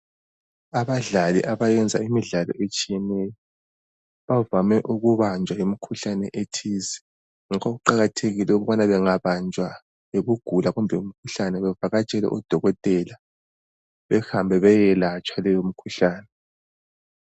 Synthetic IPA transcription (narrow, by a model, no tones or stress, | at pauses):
aβaɮalḭʔaβajɛnd͡zʱaimiɮalɔ̰ʔet͡ʃʼijɛnɛjɔ | βavamɛʔuɣuβand͡ʒʱwajimikʰuɬanɛ̰ʔetʰiːzɛ̥ | ŋakʰoɣuǃaɣatʰeɣilɛuɣuβanaβɛŋaβand͡ʒʱwa | eβuɡ̥ʱulaɣumbʱɛum̩kʰuɬanɛβɛvaɣat͡ʃʼɛlɛ̰ʔɔd̥ʱɔɣɔtʼɛla | βɛhambʱɛβɛjɛlat͡ʃʼwalɛjom̩kʰuɬaːnɛ